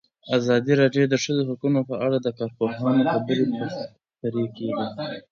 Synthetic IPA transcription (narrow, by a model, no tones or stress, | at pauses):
azɑd̪iɾɑɖjod̪əʂəzoɦakunopəʔaɽad̪əkɑɾpoɦɑnoxabəɾipə | t̪aɾekeɡi